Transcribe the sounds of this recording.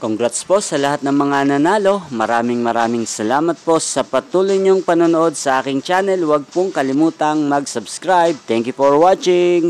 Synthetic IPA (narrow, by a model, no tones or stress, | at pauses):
koŋɡɾat̪spo̞sɐlɐhat̪̚nɐŋmɐŋanɐnaːlo̞mɐɾaːmɪŋmɐɾaːmɪŋsɐlaːmɐt̪̚po̞sɐpɐt̪uːlʊjɲoŋpɐnonoʔo̞d̪̚sɐʔaːkɪŋt͡ʃaːnɛlwɐɡ̚poŋkɐlɪmuːt̪ɐŋmɐɡsɐbskɾajb̚t̪ɛŋkjʊfoɹwat͡ʃɪŋ